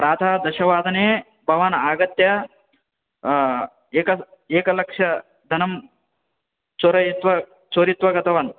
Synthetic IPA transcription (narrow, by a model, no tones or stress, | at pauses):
pɾaːd̪ʰʱaːd̪ɐʃɐʋaːd̪ʱɐneː | bʱɐʋanaːɡɐt̪jɐ | eːkɐ | eːkɐlɐkʂɐ | d̪ʱɐnɐm | t͡ʃoːɾɐjit̪ʋɐ | t͡ʃoːɾit̪ʋɐɡɐt̪ɐʋɐn